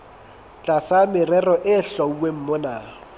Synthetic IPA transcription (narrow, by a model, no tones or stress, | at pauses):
t͡ɬʼasamɪrɛrɔʔɪɬɔuwem̩mɔna